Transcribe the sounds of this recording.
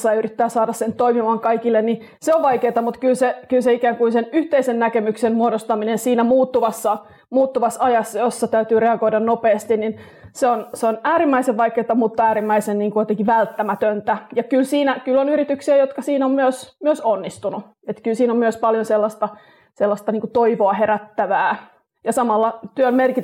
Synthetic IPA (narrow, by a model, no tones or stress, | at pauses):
sːɑyrit̪ːæːsɑːdɑssent̪oimimɑːŋkɑikilːenni | seoʋʋɑjkeːt̪ɑmut̪kylsekylseikæːŋkuinsenyht̪eisennækemyksenmuodost̪ɑminensiːnæmuːt̪ːuʋɑsːɑ | muːt̪ːuʋɑsɑjɑsːɑjosːɑt̪æyt̪yːɾeɑɡoidɑnnopeːst̪innin | seonseonæːɾimːæiseʋʋɑikːeːt̪ːɑmuːt̪ːuæːɾimːæisenniːŋkujot̪eŋkiʋælt̪ːæmæt̪ønt̪æjɑkylsiːnækylːonyɾit̪yksiæjot̪kɑsiːnommyøsmyøsonːist̪unu | et̪kylsiːnommyøspɑljonselːɑst̪ɑ | selːɑst̪ɑniːŋkut̪oiʋoɑheɾæt̪ːæʋæː | jɑsɑmɑlːɑt̪yømmerki